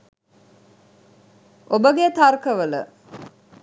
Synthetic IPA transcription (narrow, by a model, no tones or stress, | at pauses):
ʔobəɡet̪aɾkəʋələ̰